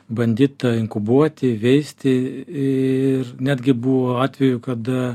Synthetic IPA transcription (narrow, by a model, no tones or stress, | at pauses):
bɐnʲd̪ʲiːt̪ɐɪŋkʊbuɔt̪ʲɪʋʲɛɪsʲt̪ʲɪ | ɪrnʲæːd̪ʲɡʲɪbuʋoːɑːt̪ʲʋʲɛjʊkɐd̪ɐ